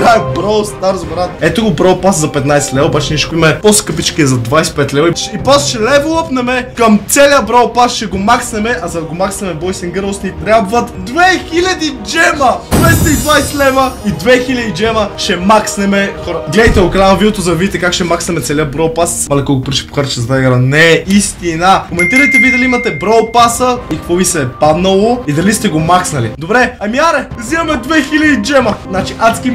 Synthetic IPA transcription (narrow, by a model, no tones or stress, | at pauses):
bæk̚bɾowst̪aɾəzbɛɾat̪ɛt̪oɡʊbɾowpaszɐpɛt̪najsɛlɛvɐobat͡ʃɛnɛʃɛ̥kimɛposkɤpit͡ʃkiɛzɐd̪vajsɛ̥pɛt̪lɛvɐiipɔst̪ʃɛlɛvolˠəpnɛmɛkɐmt̪sɛliəbɾowpasʃɛɡomaksnɛmɛʔɐzɐd̪ɐɡomaksnɛmɛbɔjsɛŋɡəɾˠsnʲit̪ɾʲabvɐt̪d̪vɛxilʲɐd̪id͡ʒɛmɐd̪vɛjst̪ɐid̪vajsɛlɛvɐid̪vɛxilʲɐd̪id͡ʒɛmɐʃɛmaksnɛmɛxɔɾəɡlɛd̪ɐjt̪ɛoklanɐvid̪ɛt̪ozɐd̪ɐvid̪ʲit̪ɛkakʃɛmaksnɛmɛt̪sɛlʲiəbɾolpasmalɛkɔɡopɾiʃɛ̥poxaɾt̪t͡ʃɛzɐt̪aɡɾanɛist̪inəkomɛnt̪iɾəjt̪ɛvid̪ɐliimɐt̪ɛbɾolpasəikɐkvɔvisɛpad̪nɐlˠoid̪ɐlist̪ɛɡomaksnɐlid̪obɾɛɐmiaɾɛɾzivɐmɛd̪vɛxilʲɐd̪id͡ʒɛmɐznat͡ʃiʔaskʲim